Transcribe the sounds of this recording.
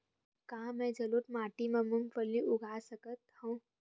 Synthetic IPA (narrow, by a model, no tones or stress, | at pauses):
kãːmɛ̃d͡ʒɐlut̪maːʈimẽmuŋɡpəɾliʔʊɡʱaːsəkət̪̚hõ